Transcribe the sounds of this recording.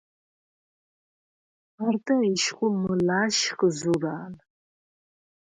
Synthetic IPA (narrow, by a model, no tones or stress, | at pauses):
artʰʼɐiʃχʷʊmɨlaːʃqəzuraːn